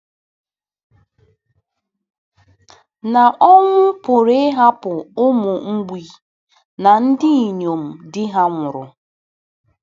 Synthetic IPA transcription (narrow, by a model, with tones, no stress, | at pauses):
na˨ʔɔ˦ŋʷʊ˦pʊ˨ɾe˦ɦa˦pʊ˨ʊ˦mʊ˨ŋ̩˦ɡ͡bi˨ | na˨n̩˦dɪ˦i˨ɲo˨m̩˨dɪ˦ɦa˦ŋʷʊ˨ɾʊ̰˨